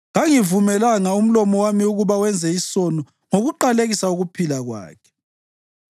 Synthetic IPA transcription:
ŋaŋivumɛlaŋaum̩lɔmɔwamiuɣuβawɛnd͡zʱɛisɔnɔ | ŋoɣuǃaleɣisauɣupʰilaɣwa̰ːkʰɛ̥

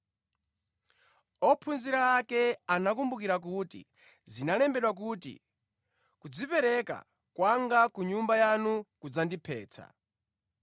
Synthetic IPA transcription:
ɔpʰunziɾaːkɛanakumbukiɾak̬utḭ | zinalɛmbɛɗwak̬utḭ | kud͡zipɛɾɛka̰ | kwaŋɡakuɲumbajanukud͡zandipʰɛːt͡sʰa̰

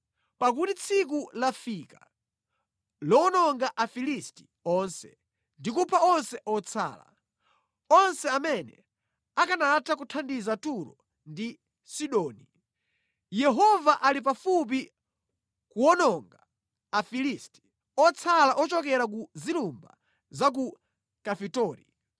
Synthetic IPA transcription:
pak̬utit͡sʰik̬ulafika | lɔnɔŋɡaʔafilisti̥ | ɔnsɛ | ndikupʰaɔnsɛʔɔt͡sʰa̰ːla̰ | ɔnsɛamɛnɛ̰ | akanatʰakutʰandizatuɾɔ̰ | ndi | siɗɔːni | jɛɦɔvaʔalip̬afup̬i | kuɔnɔŋɡa | afilisti̥ | ɔt͡sʰalaʔɔt͡ʃɔkɛɾakuzilumba̰ | zak̬u | kafitɔːɾḭ

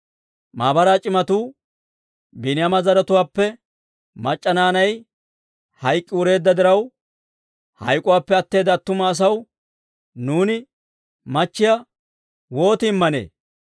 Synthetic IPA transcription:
maːbɐɾaːt͡ʃʼɪmɐt̪uː | bɪnɪjɐmɐzɐɾɐt̪ʊwaːpːɛ | mɐt͡ʃʼːɐnaːnɐj | hɐjkʼːɪwʊɾe̞ːd̪ːɐd̪ɪɾɐw | hɐ̰jkʼːʊwaːpːɛɐt̪ːe̞ːd̪ɐt̪ːʊmɐːs̬ɐw | nuːnɪ | mɐt͡ʃːɪjɐ | wo̞ːt̪ɪːmːɐnḛː

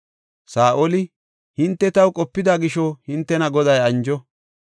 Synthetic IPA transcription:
saːʔolɪ | hɪnt̪ːɛt̪ɐwkʼɔpːɪd̪aːɡɪʃɔhɪnt̪ːɛnɐɡɔd̪ɐjɐnd͡ʒɔ

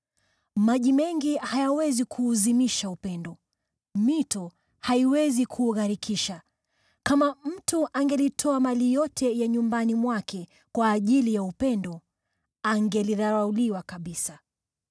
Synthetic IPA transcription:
maʄimɛŋɡihajawɛzikʰuːzimiʃaupɛndɔ | mitɔ | haiwɛzikʰuːɣaɾikʰiʃa | kamam̩tuʔaŋɡɛlitʰɔamalijɔtʰɛjaɲumbanimwakʰɛ | kwaːʄilijaupɛndɔ | aŋɡɛliðaɾauliwakaɓisa

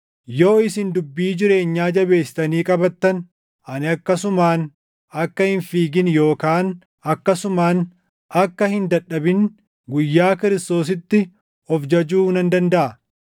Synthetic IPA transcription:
jo̞ːɪsɪnd̪ʊbːiːd͡ʒɪɾe̞ːɲːaːd͡ʒɐbe̞ːsːɪ̥t̪ɐniːkʼɐbɐt̪ːɐn | ʔɐnɪɐkːɐsʊmaːn | ɐkːɐhɪnfiːɡɪnjo̞ːkaːn | ɐkːɐsʊmaːn | ʔɐkːɐhɪnd̪ɐᶑɐbɪn | ɡʊjːaːkɪɾɪst̪o̞ːs̬ɪt̪ːɪ | ɔfd͡ʒɐd͡ʒuːnɐnd̪ɐnd̪ɐʔɐ

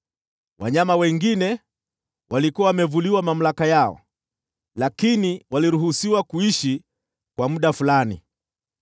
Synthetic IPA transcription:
wʔa̰ɲamawɛŋɡinɛ | walikuwawamɛvuliwamam̩lakajaɔ̰ | lakiniwaliɾuɦusiwakuiʃi | kwamuɗafulanḭ

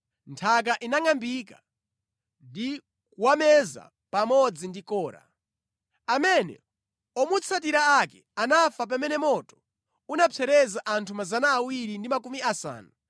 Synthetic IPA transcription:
ntʰak̬aʔinaŋambika | ndi | kuwamɛza̰ | pamɔd͡zindikɔːɾa̰ | amɛnɛ̰ | ɔmut͡sʰat̬iɾaakɛ̰anafap̬amɛnɛmɔtɔ̥ | unapʰɛɾɛzaʔantʰumazanaːwiɾindimakumiasa̰ːnu

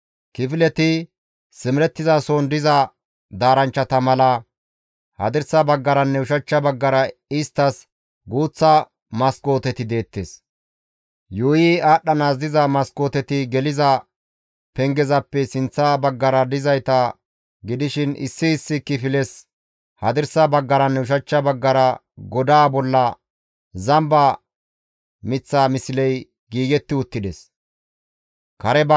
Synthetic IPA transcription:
kɪfɪlɛt̪ɪ | sɪmɪɾɛt̪ːɪzasond̪ɪzɐ | d̪aːɾɐnt͡ʃːɐt̪ɐmɐlɐ | hɐ̰d̪ɪɾsɐbɐɡːɐɾɐnːɛʊʃɐt͡ʃːɐbɐɡːɐɾɐɪst̪ːɐs | ɡuːt͡sːɐ | mɐsko̞ːt̪ɛt̪ɪd̪e̞ːt̪ːḛːs | juːjɪaːɗːɐnaːzd̪ɪzɐmɐsko̞ːt̪ɛt̪ɪɡɛlɪzɐ | pɛŋɡɛzɐpːɛsɪnt͡sːabɐɡːɐɾɐd̪ɪzɐjt̪ɐ | ɡɪd̪ɪʃɪnʔɪ̰sːɪːsːɪkːɪfɪlɛs | hɐd̪ɪɾsɐbɐɡːɐɾɐnːɛʊʃ̬ɐt͡ʃːɐbɐɡːɐɾɐ | ɡɔd̪aːbɔlːɐ | zɐmbɐ | mɪt͡sːaːmɪsɪlɛj | ɡiːɡɛt̪ːɪʊt̪ːɪd̪ɛs | kɐɾɛb

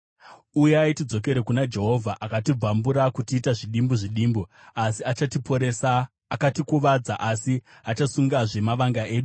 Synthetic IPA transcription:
ujaitid͡zo̞k̬e̞ɾekunad͡ʒe̞ɦo̞vʱaʔakatib͡vambuɾakutiːtaʐiɗimbuʐiɗiːmbu | asiat͡ʃatipoɾesaː | katikuʋad͡zaʔasiat͡ʃasuŋɡaʐe̞maʋaŋɡaʔe̞ːɗu

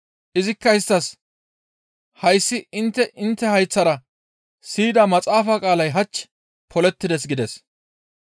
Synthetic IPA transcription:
ʔɪzɪkːɐɪst̪ːɐs | hɐjsːɪɪnt̪ːɛʔɪnt̪ːɛhɐjt͡sːɐɾɐ | siːd̪ɐmɐt͡sʼaːfaːkʼaːlɐjɦɐt͡ʃː | pʰɔlɛt̪ːɪd̪ɛs̬ɡɪd̪ɛs

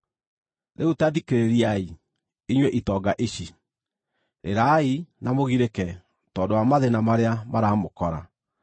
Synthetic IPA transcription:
ɾeutaðikeɾeɾiai | iɲwɛʔitɔːɡaʔeɕi | ɾḛɾainamoɣiɾekɛ | tɔːndoamaðenamaɾeamaɾaːmokɔɾa̰

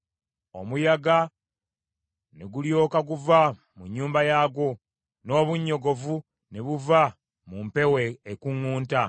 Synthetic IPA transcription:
o̞̰mujaɡa | neɡuljo̞ːkaɡuva | muɲːuːmbajaːɡo̞ | no̞ːβuɲːo̞ɡo̞vu | neβuva | mumpe̞weːkuŋːuːnta

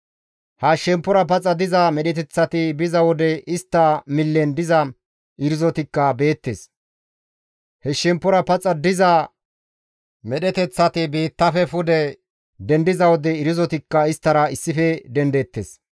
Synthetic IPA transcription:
hɐʃɛmpːɔɾɐpɐt͡sʼːɐd̪ɪzɐmɛɗɛt̪ɛt͡sːɐt̪ɪbɪzɐwɔd̪ɛʔɪst̪ːɐmɪlːɛnd̪ɪzɐ | ɪɾɪzɔt̪ɪkːɐbe̞ːt̪ːeːs | hɛʃɛmpːɔɾɐpɐt͡sʼɐd̪ɪzɐ | mɛɗɛt̪ɛt͡sːɐt̪ɪbiːt̪ːɐfɛfʊd̪ɛ | d̪ɛnd̪ɪzɐwɔd̪ɛɪɾɪzɔt̪ɪkːɐɪst̪ːɐɾɐɪsːɪfɛd̪ɛnd̪ɛt̪ːḛːs

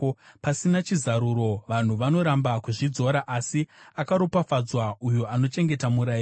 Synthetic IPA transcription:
pasinat͡ʃizaɾuɾo̞ʋan̤uʋano̞ɾambakuʐid͡zo̞ɾaʔasiakaɾopafad͡zwaujo̞ʔano̞t͡ʃe̞ŋɡe̞tamuɾaiː

